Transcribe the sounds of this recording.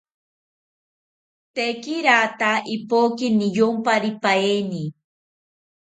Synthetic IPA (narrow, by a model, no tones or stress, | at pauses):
t̪ekiɾat̪aipokinijompaɾipaeni